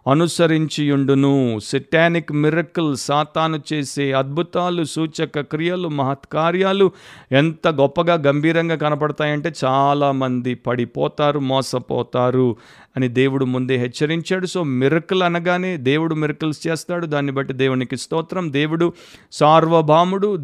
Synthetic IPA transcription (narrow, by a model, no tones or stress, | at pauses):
ɐnusɐɾiɲt͡ʃijuɳɖunusɐʈaːnikmiɾɐkulsaːt̪aːnut͡ʃe̞ːse̞ːɐd̪̚bʱut̪aːlusuːt͡ʃɐkɐkɾijɐlumɐɦɐt̪kaːɾjaːluent̪ɐɡɔpːɐɡaːɡɐmbʱiːɾɐŋɡaːkɐnɐp̬ɐɽɐt̪aːjɐɳʈe̞ːt͡ʃaːlaːmɐnd̪ipɐɽipɔːt̪aːɾumɔːsɐpɔ̰ːt̪aːɾu | ɐnid̪e̞ːwuɽumund̪eːɦɛt͡ʃːɐɾiɲt͡ʃaːɽuso̞ːmiɾɐkulɐnɐɡaːne̞ːd̪e̞ːwuɽumiɾɐkulst͡ʃeːst̪aːɽud̪aːnːibɐʈːid̪eːwunikist̪ɔːt̪ɾɐmd̪e̞ːwuɽu | saːɾʋɐbʱaːmuɽu